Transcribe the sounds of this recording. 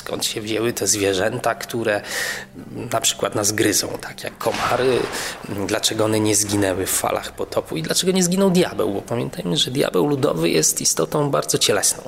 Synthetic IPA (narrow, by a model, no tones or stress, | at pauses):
skɔ̰nt̪ɕɛvʑɛwɘt̪ɛzvʲjɛʐɛnt̪akt̪uɾɛ | napʂɘ̥kwat̪nazɡɾɘzɔ̰̃w̃t̪ʰakʲja̰kʰːɔmaɾɘ | d̪lat͡ʂɛɡɔɔnɛɲɛzɡʲinɛwɘffa̰lʔa̰xpɔt̪ʰɔpuid̪lat͡ʂɛɡɔɲɛzɡʲinɔ̃wd̪jabɛ̰wbɔpamʲjɛnt̪ajmɘʐɛd̪ʲja̰bɛwlud̪ɔ̰vɘjɛst̪ist̪ɔt̪ɔ̃w̃baɾd̪zɔt͡ɕɛlɛsnɔ̃w̃